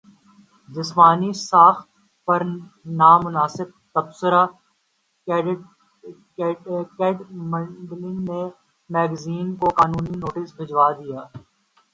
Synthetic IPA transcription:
d͡ʒ̪ɪsmaːnisaːx | pɐɾnaːmʊnaːsɪb̚t̪ɐbsəɾa | kɛːɖmə̃ɖlɪ̃ŋɡnẽ | mɛːɡziːnkokaːnuːninoːʈɪsbʱɪd͡ʒwaːd̪ɪjaː

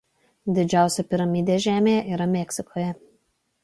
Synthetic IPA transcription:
d̪ʲɪd͡ʒʲæˑʊsʲɛpʲɪɾɐmʲɪd̪ʲeːʒʲæːmʲeːjɛʔiːɾɐmʲɛkʲsʲɪkʰoːjɛ

